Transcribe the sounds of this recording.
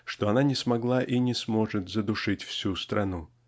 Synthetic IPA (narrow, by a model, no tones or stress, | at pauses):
ʂt̪o̞ɐnanʲɪsmɐɡlˠaʔinʲɪsmo̞ʐɨt̪zəd̪ʊʂɨtʲfsʲust̪ɾʔɐnu